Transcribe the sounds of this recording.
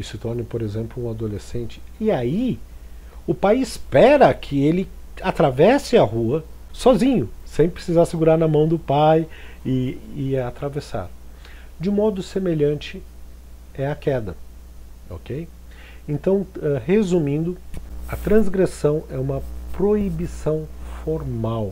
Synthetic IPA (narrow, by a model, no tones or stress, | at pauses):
isɪt̪ɔɾnɪpoɾezẽmplʊũad̪olesẽnt͡ʃɪ̥ɪai | ʊpajɪspɛɾɐkʰɪelɪ | at̪ɾavɛsɪɐhuɐ | sɔzĩɲʊsẽj̃pɾesizaɾsɪɡuɾaɾnɐmɐ̃w̃d̪ʊpajɪːat̪ɾavesa̰ɾ | d͡ʒɪmɔd̪ʊsemeʎɐ̃nt͡ʃɪ | ɛɐkɛd̪ɐ | o̰kej | ẽnt̪ɐ̃w̃ɛhezumĩnd̪ʊɐt̪ɾɐ̃zɡɾesɐ̃w̃ɛũmɐpɾoibisɐ̃w̃foɾmaw